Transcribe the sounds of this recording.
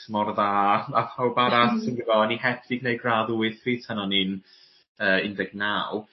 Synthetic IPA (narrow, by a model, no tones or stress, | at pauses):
mɔrðaːapʰawbaɾasənɡivɔnihɛfɪɡ̚nejɡraðuɨθr̥iːtʰanɔnin | əːɪndɛɡ̚naw